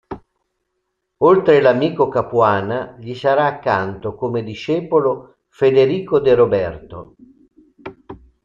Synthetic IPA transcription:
olt̪ɾelamiːkokapuaːnaʎisaɾaːkːant̪okomed̪iʃɛːpolo | fed̪eɾiːkod̪eɾobɛrt̪o̰

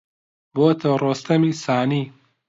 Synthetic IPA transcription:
boːt̪ɐroːst̪ɐmisaːniː

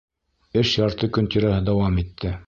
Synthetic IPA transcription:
ɘʃjɑɾt̪ɤkɵ̆nt̪iɾæɦɘd̪ɑwɑmit̪ʰːɘ

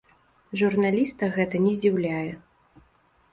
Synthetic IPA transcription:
ʐurnalʲist̪ɐɣɛt̪ɐnʲɛzʲd͡zʲiwlʲajɛ

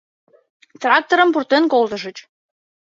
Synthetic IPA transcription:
t̪rɑk̚t̪oɾəmpurt̪enkolt̪ə̆ʒə̆t͡ɕ

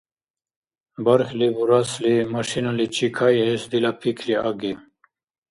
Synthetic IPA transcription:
baɾxlibuɾaslimaʃinalit͡ʃʰikʰajesd̪ilapʰikʰliaɡe

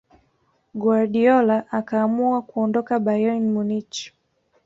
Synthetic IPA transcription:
ɡwaɾɗiɔlaʔakaːmuakuɔndɔkabajɔnmunit͡ʃ

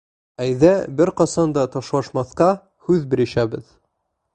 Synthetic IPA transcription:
æjðæbɘɾqɑsɑnd̪ɑt̪ɒʃlˠɑʃmɑθqɑ | hʉðbɘ̆ɾɘ̆ʃæbɘ̰ð

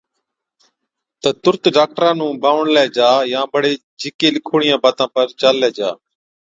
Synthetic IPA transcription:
t̪ət̪ʊɾt̪ɖaːk̚ʈɾãːnũːbʱaːʋəɳlɛːd͡ʒaːjãːbəɽeː | d͡ʒɪkeːlɪkʰuːɳɪjãːbaːt̪ãːpəɾt͡ʃaːlːɛːd͡ʒa̰ː

